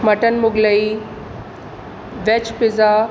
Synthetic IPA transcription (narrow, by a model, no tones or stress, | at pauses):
mɐʈənmʊɡləi | ʋet͡ʃpɪza